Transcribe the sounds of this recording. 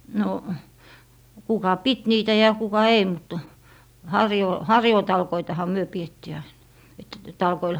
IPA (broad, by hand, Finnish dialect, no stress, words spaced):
no kukɑ pit niːtæ jɑ kukɑ ei mut hɑrjoː hɑrjoːtɑlkoitɑhɑ myø pietːiː ɑin et tɑlkoil